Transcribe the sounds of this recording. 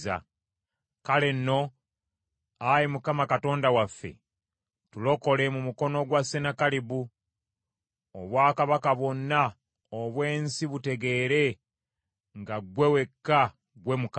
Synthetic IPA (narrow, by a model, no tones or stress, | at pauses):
a̰ | kale̞nːo̞ | ajimukamakato̞ːndawafːḛ | tulo̞ko̞le̞mumuko̞noɡwasenakalibu | o̰βwaːkaβakaβwo̞nːa | oβwe̞ːnsiβute̞ɡe̞ːɾe̞ | ŋɡaɡwe̞we̞kːa | ɡwe̞muka